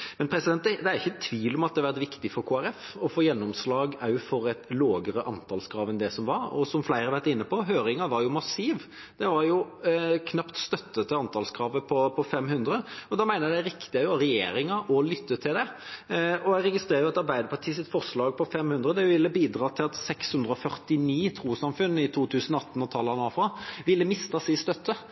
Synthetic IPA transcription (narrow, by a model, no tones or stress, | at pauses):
mɛnpʰɾɛsɪd̪ɛnt̪d̪ɛd̪ɛæɾɪçːəɛt̪ʰːʋiːlɔmɑt̪̚d̪ɛhɑʋæɾt̪ʋɪkt̪ɪfɔɾkʰoːæɾɛfɔfoːjɛnːɔmslɑːɡæɾjʊfɔɾɛt̪loːɡəɾəʔɑnt̪ʰɑlskʰɾɑːʋənd̪ɛsɔmʋɑɾɔ̰sɔmflæɪʁɑʋæɾt̪ɪnːəpʰɔɦøːɾɪŋɑʋɑɾjʊmɑsiːʋ | d̪̥ɛʋɑɾjʊkʰnɑpt̪st̪œt̪ːət̪ʰɪɑnt̪ʰɑlskʰɾɑːʋəpʰɔpʰɔfɛmhʉnd̪ɾəɔd̪ɑːmæɪnəd̪ææɾɪkt̪ɪɛjʊɾɛjḛːɾɪŋɑʔɔlʏt̪ːət̪ʰɪld̪ɛ | ɔæʁɛɡɪst̪ɾeːɾəjʊɑt̪ɑɾbæɪd̪əɾpʰɑʈ̪ʰiːsɪt̪fɔʁʂlɑːɡ̚pʰɔfɛmhʉnd̪ɾəd̪ɛʋɪlːəbiːd̪ɾɑːt̪ʰɪlɑt̪sɛkshʉnd̪ɾəɔfœʁt̪ɪniːt̪ʰɾuːsɑmfʉnːɪt̪ʰuːt̪ʰʉːsənɔɑt̪ːn̩ɔt̪ʰɑlːɑnɑfɑʋɪlːəmɪst̪ɑsɪst̪œt̪ːə